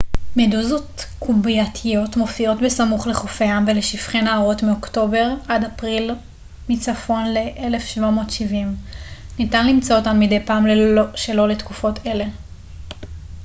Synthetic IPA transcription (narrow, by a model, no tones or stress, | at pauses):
meduzo̞tkubiatʰijo̞tmo̞fio̞tbesamuχleχofeamveleʃifχenaːʁo̞tmeo̞kto̞be̞ʁadapʁil | mit͡safo̞nle̞ʔele̞fʃvamo̞ːtʃivimnitanlimt͡sootanmide̞jpaːmleʃe̞lo̞le̞tkufo̞tʰe̞le̞